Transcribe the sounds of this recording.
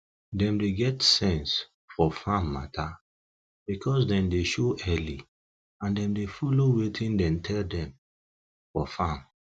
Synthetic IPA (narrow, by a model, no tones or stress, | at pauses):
dɛ̃mdeɡɛtsɛ̃ns | fɔfãmːa̰tʰa | b̥ikʰɔsdɛ̃mdeʃoʔɛli | ãndɛ̃mdefɔlowetʰĩndɛ̃mtʰɛldɛ̃m | fɔfãm